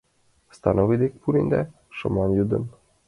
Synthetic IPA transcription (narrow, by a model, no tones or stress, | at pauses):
st̪anovid̪ek̚puɾind̪ɛ | ʃɤ̰mɑnjud̪ə̰n